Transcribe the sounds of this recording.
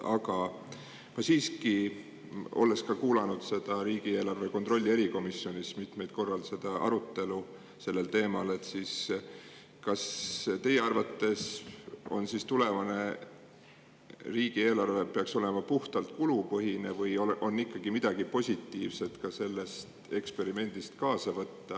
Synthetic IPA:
ʔɑ̰kɑ | mɑsiːski | o̞̰le̞skɑkuːlɑnud̪̥se̞d̪̥ɑɾiːɡ̥ie̞ːlɑrve̞ko̞nt̪ro̞lʲːie̞ɾiko̞misːjo̞nismit̪me̞jt̪̚ko̞rːɑlse̞d̪̥ɑʔɑ̰ɾut̪ːe̞lu | se̞lːe̞lt̪e̞ːmɑle̞t̪ːˑsiːs | kɑst̪e̞jeɑrvɑt̪ːe̞so̞̰nsist̪ule̞vɑne̞ | riːɡ̥ie̞ːlɑrve̞pe̞ɑkso̞le̞mɑpuht̪ɑlt̪̚kulupɤɦinevɯjoʔo̞nːikːˑɑɡimid̪̥ɑɡ̥ipo̞sʲit̪ːiːvse̞t̪kɑse̞lːe̞st̪e̞kspe̞ɾime̞nd̪̥ist̪kɑːsɑvɤt̪ːɑ

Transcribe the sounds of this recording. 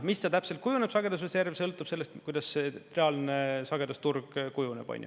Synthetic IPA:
mist̪ɑt̪æpselt̪̚kujuneb̥sɑɡe̞d̪̥ɑs̬oservsɤlt̪ːˑub̥se̞lːest̪kujd̪ɑsːt̪reɑlnesɑɡed̪ɑst̪urɡ̥kujunḛb̥o̰nʲjṵ

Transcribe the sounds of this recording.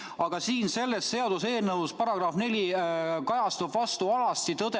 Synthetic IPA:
ɑɡ̥ɑsiːnse̞lːest̪se̞ɑd̪̥use̞ːlnɤuspɑɾɑɡ̥rɑhfne̞lʲikɑjɑst̪ubvɑst̪uɑlɑst̪it̪ɤd̪̥e

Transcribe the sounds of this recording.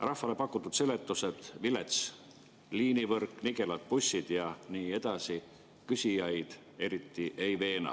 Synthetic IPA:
rɑhfːɑle̞pɑkːˑut̪ːˑut̪se̞le̞t̪ˑːuse̞d̪̥vile̞t̪s | liːnivɤrkːˑniɡe̞lɑt̪̚pusʲːid̪̥jɑniːe̞d̪̥ɑsi | kysʲijɑjd̪̥ | e̞ɾit̪ːiʔe̞jve̞ːnɑ̰

